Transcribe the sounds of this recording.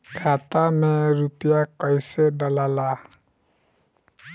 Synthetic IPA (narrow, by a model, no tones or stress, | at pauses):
ɡʱat̪amɛɹupijakɔjsɛdalala